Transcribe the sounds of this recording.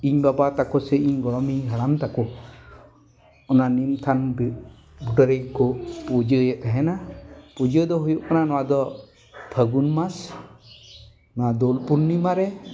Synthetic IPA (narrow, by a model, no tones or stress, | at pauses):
iɲbabat̪akɔsɛiɲɡɔɽɔmiɦəɽamt̪akɔ | ɔnanimt̪ʰanb | buʈəɾejkɔpud͡ʒəjɛt̪̚ˀaɦɛnapud͡ʒəd̪ɔɦujɔʔkananɔwad̪ɔ | t̪ʰəɡunmas | nɔwad̪ɔlpunːimaɾɛ